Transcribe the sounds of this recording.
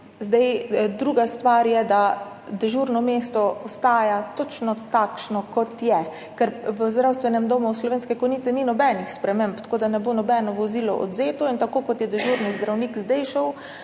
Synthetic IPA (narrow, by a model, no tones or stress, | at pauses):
zd̪ɛjd̪ɾuːɡast̪ʋaːɾjɛd̪a | d̪ɛʒuɾnɔmeːst̪ɔɔst̪aːjat̪ɔt͡ʃnɔt̪akʃnɔkɔt̪jɛ | kɛɾʋəzd̪ɾawst̪ʋɛnɛmd̪oːmuslɔʋeːnskɛkɔjnit̪sɛninɔbɛnixspɾɛmempt̪koːd̪anɛboːnɔbɛnɔʋɔziːlɔ̰ʔɔ̰d̪zeːt̪ɔint̪akoːkɔt̪jɛd̪ɛʒuːɾnizd̪ɾawnikzd̪ɛjʃaw